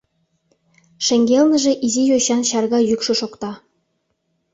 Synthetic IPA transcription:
ʃĕŋɡʲelnə̆ʒĕʔizijoɕɑnɕɑrɣɑjykʃɤ̆ʃokt̪ɑ

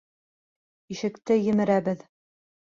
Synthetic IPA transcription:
iʃɘ̆kt̪ɘjɘ̆mɘ̆ɾæbɘð

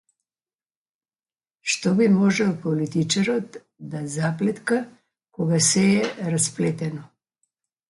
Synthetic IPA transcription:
ʃt̪ɔbimɔʒɛlˠpɔlit̪it͡ʃaɾɔt̪ | d̪azaplɛt̪ka | kɔɡasɛɛɾasplɛt̪ɛnɔ

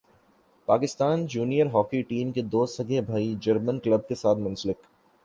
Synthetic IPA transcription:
paːkɪst̪aːnd͡ʒuːnijəɾɦɔːkiʈiːmked̪oːsɐɡebʱaːid͡ʒɐɾmənkləb̚kesaːt̪̚ʰmʊ̃nsəlɪk

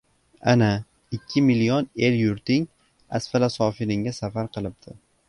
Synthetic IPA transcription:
a̰na | ɪkʲʰːɪmɪlijɒne̞ljʊɾt̪ɪŋ | a̰sfalasɒfɪɾɪŋʲasafaɾqʰɨlˠɪp̚d̪̥ʰɪ

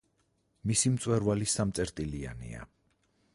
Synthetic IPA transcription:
misimt̪sʼwɛɾvalisamt̪sʼɛɾt̪ʼilia̰nḭa̰

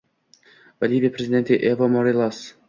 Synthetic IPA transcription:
valʲivʲepɾʲezʲid̪ent̪eʔevomoɾilˠas

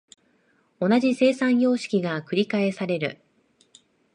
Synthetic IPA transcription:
o̞naʑise̞ːsãɰ̃jo̞ːɕi̥kʲiɡakɯ̟ɾʲikae̞saɾe̞ɾɯ̟

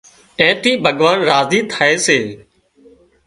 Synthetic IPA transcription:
ʈɛ̃ːʈiːbʱəɠʋaːnɾaːziːt̪ʰaːeːseː

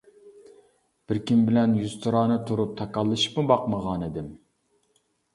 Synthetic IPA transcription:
b̥ɪɾkʲimbɪlɛnjuzt̪ʰɨɾɑːnɨt̪ʰuɾup̚t̪ʰɑkɑlˠːɨʃi̥pmubɑqməʁɑnid̪ɪm

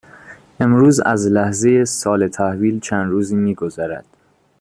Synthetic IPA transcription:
ʔe̞mɾuːzæ̰zlæhze̞jesɒːle̞t̪ʰæhviːlt͡ʃʰænd̪ɾuːziːmiːɡo̞zæɾæ̰d̪̥

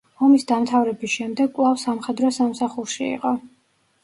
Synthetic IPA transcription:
ɔmisd̪amt̪ʰavɾɛbisʃɛmd̪ɛɡ̚kʼwlˠafsamχɛd̪ɾɔsamsaχuɾʃiḭqʼɔ

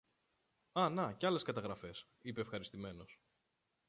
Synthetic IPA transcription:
ɐnɐceɐle̞skɐt̪ɐɣɾɐfe̞s | ipe̞ːfxɐɾist̪ime̞no̞s

